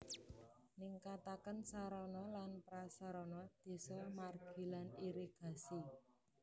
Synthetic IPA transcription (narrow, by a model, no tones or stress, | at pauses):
niŋkat̪akənsaɾɔnɔlanpɾasaɾɔnɔd̪̥e̤sɔmarɡ̥i̤laniɾeɡ̥a̤si